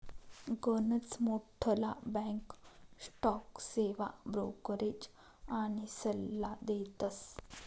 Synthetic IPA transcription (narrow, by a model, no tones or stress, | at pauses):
ɡənət͡smoʈʰːəla̰bɛ̃ksʈɔkseʋa̰bɾo̰kəɾed͡ʑ | aɽ̃isəlːad̪et̪əs